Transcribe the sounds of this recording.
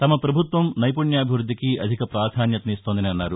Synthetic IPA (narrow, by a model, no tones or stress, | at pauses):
t̪ɐmɐpɾɐbʱut̪ʋɐmnɐjpuɳjaːbʱiʋɾud̪ʱːikiɐd̪ʱikɐpɾaːd̪ʱaːnjɐt̪ɐniːst̪oːnd̪ɐniɐnːaːɾu